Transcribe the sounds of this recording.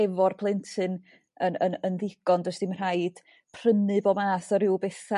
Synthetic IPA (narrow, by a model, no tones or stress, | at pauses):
ɛvɔrpʰlˠɛntʰɨn | ənənənðɪɡ̥ɔndəsd̥imr̥aɨd̥ | pʰr̥ənɨbɔmaːsɔɾɪwbɛθa